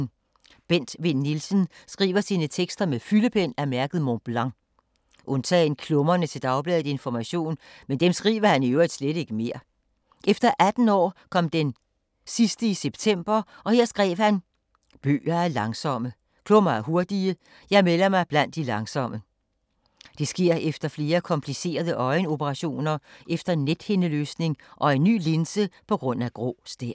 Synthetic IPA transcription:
b̥en̰d̥ʋe̝nːilsənsɡ̥ʁḭːʋɐsiːnət͡sʰeɡ̥sd̥ɐmefyləpʰen̰æmæɐɡ̥ð̞̩ˠmob̥lɑ̈ŋ | ʔɔ̽nt͡sʰɛ̰ːnkʰlɔ̽mɐnət͡sʰe̝d̥ɑ̈ʊb̥lɛːð̩ˠe̝nfɒmæɕo̝̰ːnmend̥emsɡ̥ʁḭːʋɐhæniøʊid̥sleɾ̥e̝ɡ̥əme̝ɐ̰ | ʔefd̥ɐʔæd̥n̩ɒ̰ːkʰɒ̽md̥en | sisd̥əiseb̥t͡sʰem̰b̥ɐ | ɒ̽heɐ̰sɡ̥ʁɛ̰ːʋ̥hæn | b̥ø̰ːɐæɐlɑ̈ŋsɒ̽mə | kʰloːɐmɑ̈ɪɦo̝ɐd̥iə | jɑ̈ɪmelɐmɑ̈ɪb̥læn̰d̥ːilɑ̈ŋsɒ̽mə | d̥e̝sɡ̥e̝ɐ̰efd̥ɐfle̝ːɐkʰɒ̽mpʰlise̝̰ːɐð̞ˠəʔɒ̽ɪno̝bəʁɑ̈ɕo̝̰ːnɐʔefd̥ɐnːed̥henəlø̰ːsne̝ŋʔɒ̽e̝nːy̰ːlensəpʰɒ̽ɡ̥ʁɔ̽n̰æɡ̥ʁo̰ːsd̥eɐ

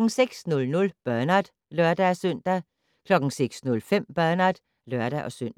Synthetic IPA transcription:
ŋ̩seɡ̥snɔ̽lnɔ̽lb̥ɶɐnæd̥ | lœɐd̥ææsœn̰d̥æ | kʰlɒ̽ɡ̥ŋ̩seɡ̥snɔ̽lfem̰b̥ɶɐnæd̥ | lœɐd̥æʔɒ̽søn̰d̥

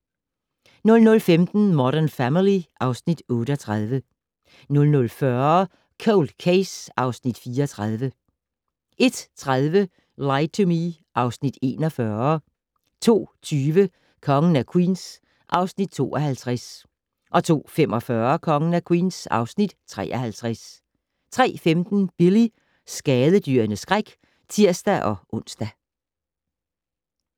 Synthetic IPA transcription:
nɔ̽lnɔ̽lfemd̥n̩mɒɾæɐnfæmiliʔɑ̈ʊsnid̥ɔ̽ːɾəɒ̽t͡sʰʁaðˠʋə | nɔ̽lnɔ̽lfɶɐ | kʰoʊld̥kʰeɪsɑ̈ʊsnid̥fiːɐɒt͡sʰʁað̞ˠʋə | e̝d̥t͡sʰʁaðˠʋə | läɪt͡sʰomi | ʔɑ̈ʊsnid̥e̝ːnɒ̽fɶɐ | t͡sʰo̝̰ːt͡sʰyːʋə | kʰɒ̽ŋən̩ækʰwḭːns | ʔɑ̈ʊsnid̥̚t͡sʰo̝̰ːʔɒhælt͡sʰʁas | ʔɒ̽t͡sʰo̝̰ːfemɒ̽fɶɐkʰɒ̽ŋənækʰwḭːnsɑ̈ʊsnid̥t͡sʰʁɛ̰ːʔɒhælt͡sʰʁas | t͡sʰʁɛ̰ːfemd̥n̩b̥ili | sɡ̥ɛːðˠəd̥yɐnəsɡ̥ʁaɡ̥ | t͡sʰiɐ̰sd̥æʔɒ̽ʔɔ̽n̰sd̥æ

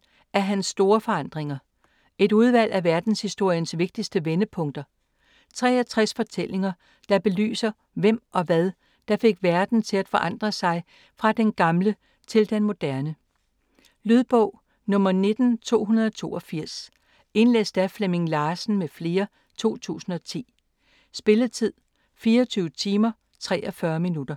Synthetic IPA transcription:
æɐɦænsːd̥o̝ːɐfɒ̽ɑ̈n̰d̥ʁeŋɐ | e̝ɾuð̞ˠʋæl̰ʔæʋæɐd̥n̩shisd̥o̝ɐ̰jənsʋe̝ɡ̥̚d̥isd̥əʋenəpʰɔ̽ŋ̰d̥ɐ | t͡sʰʁɛ̰ːɒ̽t͡sʰʁɛsfɒ̽t͡sʰel̰e̝ŋɐ | d̥ɑ̈b̥e̝ly̰ːsɐ | ʋem̰ʔɒ̽ʋæðˠ | d̥ɑ̈fe̝ɡ̥ʋæɐd̥n̩t͡sʰe̝læd̥fɒ̽ʔɑ̈n̰d̥ʁɐsɑ̈ɪ | fʁɑ̈d̥enɡ̥ɑ̈mlə | t͡sʰe̝ld̥enmo̝d̥æɐnə | lyðˠb̥ɔʊ̰ | nɔ̽mɐne̝d̥n̩t͡sʰo̝̰ːɦunɐðˠɒ̽t͡sʰo̝̰ːɒfiɐ̰s | e̝nlḛsd̥æfleme̝ŋlɑ̈ːsn̩mefle̝ːɐ | t͡sʰo̝̰ːt͡sʰṵːsn̩ɒ̽t͡sʰḭː | sb̥e̝lət͡sʰið̰ˠ | fiːɐɒt͡sʰyːʊət͡sʰiːmɐ | t͡sʰʁɛ̰ːʔɒ̽fɶɐminud̥ɐ

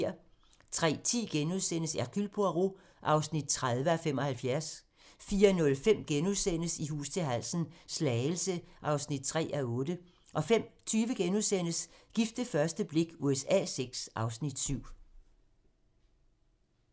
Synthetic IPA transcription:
ɐ̰ | t͡sʰʁɛ̰ːt͡sʰḭːɡ̥enuðˠsen̰əsæɐɡ̥ylb̥ʰoɐʁo | ʔɑ̈ʊsnid̥̚t͡sʰʁað̞ˠʋəæfemɒ̽hælfjæɐs | fiːɐnɔ̽lfem̰ɡ̥enuðˠsen̰əsiɦṵːst͡sʰe̝lɦæl̰sn̩slɛɪl̩səʔɑ̈ʊsnid̥̚t͡sʰʁɛ̰ːʔæɔ̽ːd̥ə | ʔɒ̽fem̰t͡sʰyːʋəɡ̥enuðˠsen̰əsɡ̥ifd̥əfɶɐsd̥əb̥le̝ɡ̥uesɛ̰ːseɡ̥sʔɑ̈ʊsnid̥syʊ̰

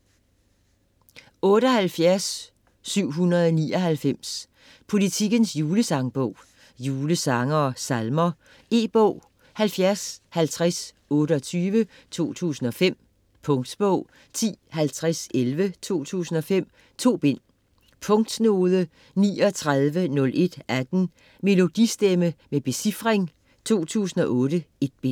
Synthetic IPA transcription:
ɔ̽ːɾəɒ̽ɦælfjæɐsː | yʊ̰ɦunɐðˠɒnḭːɒ̽ɦælfem̰s | pʰo̝lit͡sʰiɡ̥ənsjuːləsɑ̈ŋb̥ɔʊ̰ | juːləsɑ̈ŋɐːsɑlmɐ | e̝̰ːb̥ɔʊ̰ | hælfjæɐshælt͡sʰʁas | ɔ̽ːɾəɒ̽t͡sʰyːʋə | t͡sʰo̝̰ːt͡sʰṵːsn̩ɒ̽fem̰ | pʰɔ̽ŋd̥sb̥ɔʊ̰ | t͡sʰḭːhælt͡sʰʁaselʋət͡sʰo̝̰ːt͡sʰṵːsn̩ɒ̽fem̰ | t͡sʰo̝̰ːb̥e̝n̰ | pʰɔ̽ŋd̥no̝ːðˠə | nḭːɒ̽t͡sʰʁaðˠʋənɔ̽lʔe̝d̥æd̥n̩ | me̝lo̝d̥isd̥eməmeb̥e̝sifʁeŋ | t͡sʰo̝̰ːt͡sʰṵːsn̩ɒ̽ʔɔ̽ːɾ̥əe̝d̥̚b̥e̝n̰

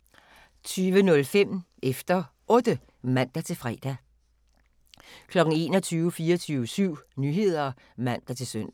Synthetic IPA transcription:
t͡sʰyːʋənɔ̽lfem̰ | efd̥ɐ | ɔ̽ːd̥ə | mæn̰d̥æt͡sʰe̝lfʁɛ̰d̥æ | kʰlɒ̽ɡ̥ŋ̩e̝ːnɒ̽t͡sʰyːʊəfiːɐɒt͡sʰyːʊəsyʊ̰nyːɦe̝ð̞̰ˠɐ | mæn̰d̥æt͡sʰe̝lsœn̰d̥

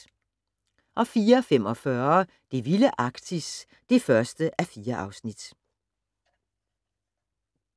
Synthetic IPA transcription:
ʔɒ̽fiːɐfem̰ɒ̽fɶɐ | d̥e̝ʋiləʔɑ̈ɡ̥d̥ʰis | d̥e̝fɶɐsd̥əʔæfiːɐʔɑ̈ʊsnid̥

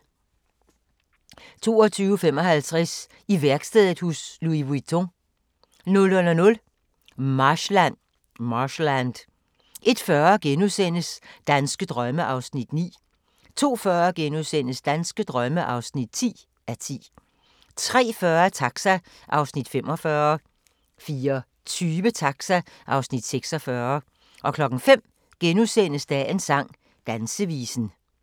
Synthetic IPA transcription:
t͡sʰo̝̰ːɒt͡sʰyːʊfem̰ɒ̽hælt͡sʰʁɛs | iʋæɐɡ̥sd̥eðˠdˠhusluiʋuit͡sʰo | nɔ̽lɔnɐnɔ̽l | mɑ̈ɕlæn̰ | mɑɕlænd̥ | ʔe̝d̥fɶːɐɡ̥enusen̰əsd̥ænsɡ̥əd̥ʁɶməʔɑ̈ʊsnid̥nḭː | t͡sʰo̝̰ːfɶːɐɡ̥enuðˠsen̰əsd̥ænsɡ̥əd̥ʁɶməʔɑ̈ʊsnid̥̚t͡sʰḭː | æɐt͡sʰḭː | t͡sʰʁɛ̰ːfɶːɐt͡sʰɑ̈ɡ̥sæ | ʔɑ̈ʊsnid̥fem̰ɒ̽fɶːɐ | fiːɐ | t͡sʰyːʋət͡sʰɑ̈ɡ̥sæʔɑ̈ʊsnid̥seɡ̥sɒ̽fɶːɐ | ʔɒ̽kʰlɒ̽ɡ̥n̩fem̰ | ɡ̥enuðˠsen̰əsd̥æʔe̝nsɑ̈ŋ̰ | d̥ænsəʋḭːsn̩

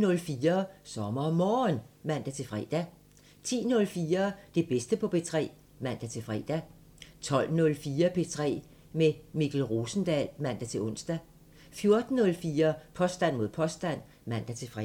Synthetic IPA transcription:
nɔ̽lfiːɐsɒ̽mɐmɒːnmæn̰d̥æt͡sʰe̝fʁɛ̰ːd̥æ | t͡sʰḭːnɔ̽lfiːɐd̥e̝b̥esd̥əpʰɒ̽pe̝t͡sʰʁɛ̰ː | mæn̰d̥æt͡sʰe̝fʁɛ̰d̥æ | t͡sʰɒ̽l̰nɔ̽lfiːɐpʰe̝t͡sʰʁɛ̰ː | memiɡ̥l̩ʁoːsn̩d̥ælmæn̰d̥æt͡sʰe̝ɔ̽nsd̥æ | fjo̝ɐd̥n̩ːɔ̽lfiːɐpʰɒ̽sd̥æn̰mo̝ð̞̰ˠpʰɒ̽sd̥æn̰ | mæn̰d̥æt͡sʰe̝fʁ

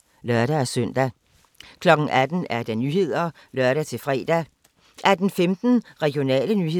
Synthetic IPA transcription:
lœɶɐɾ̥ææsœn̰d̥æ | kʰlɒ̽ɡ̥ŋ̩ʔæd̥n̩æɐd̥ænyːhe̝ð̞̰ˠɐ | lɶɐɾæt͡sʰe̝lfʁɛ̰ːd̥æ | ʔæɐd̥en̩femd̥n̩ʁɛɡ̥ijo̝nɛ̰ːlənyːhe̝

